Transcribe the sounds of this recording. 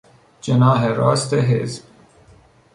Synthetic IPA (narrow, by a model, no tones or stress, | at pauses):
d͡ʒenɑːɦeɾɑːst̪eɦḛzb̚